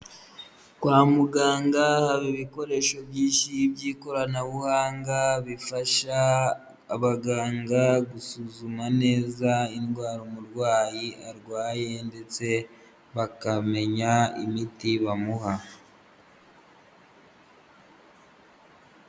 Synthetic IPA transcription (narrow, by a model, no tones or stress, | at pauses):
kwaːmuɡaːŋɡahaβiβiko̞ɾe̞ːʃo̞bjiːnʃibɟiːko̞ɾanaβuhaːŋɡaβifaʃaː | βaɡaːŋɡaɡusuzumane̞ːzainɡwaːɾomuɾɡwaːjiaɾɡwaːje̞nde̞t͡se̞ | βakame̞ɲaḭmitiβamuɦa